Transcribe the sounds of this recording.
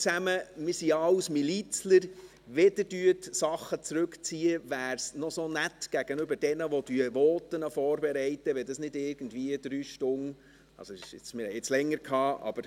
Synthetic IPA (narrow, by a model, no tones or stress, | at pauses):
t͡sæməmɪɾsiɑwsmilit͡sləɾ | ʋɪdəd̥yətsɑχːət͡sɾʉkt͡siːəʋæːɾsnɔsonætɡ̥æɡ̥ənʏbəɾd̥ɛnəʋɔd̥yəʋɔːtənəfɔːɾbɛɾɛɪtəʋɛdɑsnɪdɪɾɡ̥ən̩dviəd̪̥ɾyːʃtʊn | ɑ̰sɔɪʃɪt͡smɪɾhɛjɪt͡slɛŋːəɾkʰhɑːɑ̰b̥əɾ